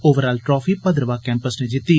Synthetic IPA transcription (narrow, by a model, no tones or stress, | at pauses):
oːʋəɾaːlʈɾɔːfʰiːpəd̪ɾəʋaːkɛ̃ːmpəsneːd͡ʒɪt̪ːiː